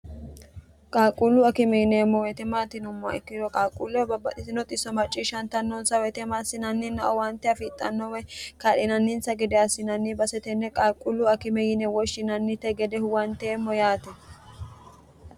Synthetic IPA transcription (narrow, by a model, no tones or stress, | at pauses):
kʼaːkʼʊlːʊɐkɪmɛjɪnɛːmːɔwɛt̪ɛmaːt̪ɪnʊmːɐ̰ɛ̰kːɪd̪ɔkʼaːkʼulːɛwɛbɐbːɐt̪ʼɪt̪ɪnɔt̪ʼɪsːɔmɐt͡ʃʼːiʃɐnt̪ɐnːɔnsɐwɛt̪ɛmaːsːɪnɐnːɪnːɐʔɔwɐnt̪ːɛɐfɪt̪ʼːɐnːɔwɛkaːlɪnɐnːɪnsɐɡɛd̪ɛɐsːɪnɐnːɪbɐsɛt̪ɛnːɛkʼaːkʼːʊlːʊɐkɪmɛjɪnɛwɔʃɪnɐnːɪt̪ɛɡɛd̪ɛhʊwɐnt̪ːɛːmːɔjaːt̪ɛ